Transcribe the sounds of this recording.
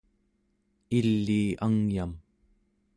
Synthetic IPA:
ilːiːʔaŋjam

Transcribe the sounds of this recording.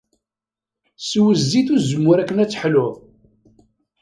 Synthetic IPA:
swəzːiθuzəmːʊɾækːənæt͡sːħlʊðˤ

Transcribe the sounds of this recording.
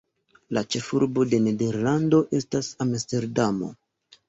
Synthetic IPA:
lat͡ʃe̞fuɾbo̞de̞ne̞de̞ɾlando̞ʔe̞stasamste̞ɾdamo̞̰

